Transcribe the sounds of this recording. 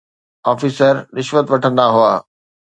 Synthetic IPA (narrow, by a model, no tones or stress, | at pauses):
ɔːfiːsəɾɾɪʃʋət̪ʋɐʈʰə̃nd̪aɦuaː